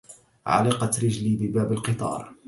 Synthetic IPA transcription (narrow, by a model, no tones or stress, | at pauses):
ʕa̰lɪqɑt̪ɾɪd͡ʒliːbɪbaːbalqɨt̪ˤɑ̰ːɾˤ